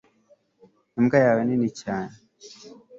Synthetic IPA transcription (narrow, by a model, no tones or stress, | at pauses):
imɡajaːweninicaːne